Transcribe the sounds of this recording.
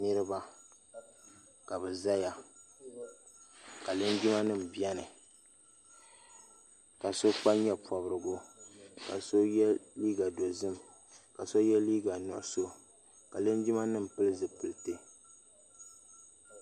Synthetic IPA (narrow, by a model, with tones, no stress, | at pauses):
ni˦ɾɨ˦ba˨ | ka˨bɛ˨za˦ja˨ | ka˨lɨ˦nd͡ʒi˦ma˦nɨ˦m̩˨bi˦ɛ˦nɨ˨ | ka˨so˦k͡pa˦ɲɛ˦pʰwɔ˨bɾɨ˨ɡʊ˦ka˨so˦jɛ˦liː˦ɡa˨do˨zɨ˦m | ka˨so˦jɛ˦liː˦ɡa˨nʊ̰˨ʔʊ˨so˦ | ka˨lɨ˦nd͡ʒi˦ma˦nɨ˦m̩˨pɨ˦lɨ˦zɨ˨pɨ˨ltɨ˦